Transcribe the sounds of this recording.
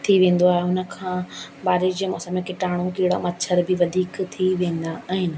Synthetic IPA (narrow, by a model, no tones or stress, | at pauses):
t̪ʰiʋẽːn̆d̪oaːɦeʊnə̆kʰãː | baːɾɪd͡ʑmɔ̰ːsəmekɪʈaːɽ̃õkiːɽamɐtt͡ɕʰəɾbɪʋɐd̪ʱiːkt̪ʰiʋẽːn̆d̪aaːɦɪnɪ̆